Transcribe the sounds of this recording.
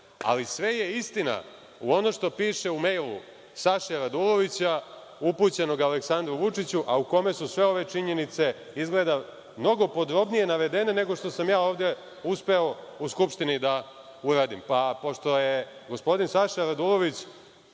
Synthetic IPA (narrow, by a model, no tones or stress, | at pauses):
a̰lisʋe̞je̞ist̪ina̰ | uo̞noʃt̪o̞piːʃe̞ume̞jlˠṵ | saʃaɾad̪ulˠo̞ʋit͡ɕa | uput͡ɕe̞no̞ɡaleksand̪ɾuʋut͡ʂit͡ɕuʔauko̞me̞susʋe̞o̞ʋe̞t͡ʂiɲe̞nit̪se̞ | izɡled̪a | mno̞ɡo̞pod̪ɾo̞bnije̞naʋe̞d̪enene̞ɡo̞ʂt̪o̞samjaːo̞ːʋd̪e̞ | uspe̞o̞uskupʃt̪inid̪a | uɾaːd̪impapo̞ʂt̪o̞jeɡo̞spo̞d̪insaʃaɾad̪ulˠo̞ʋit͡ɕ